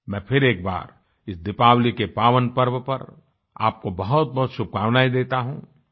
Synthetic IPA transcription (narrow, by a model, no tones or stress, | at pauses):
mɛ̃ːpʰɪɾeːk̚ba̰ːɾ | ɪsd̪ɪpaːwlikepaːʋənpɐɾʋəpɐɾ | a̰ːp̚kobɐɦʊt̪̚bɐɦʊt̪ʃʊb̚kaːʋnaːid̪eːt̪aɦũː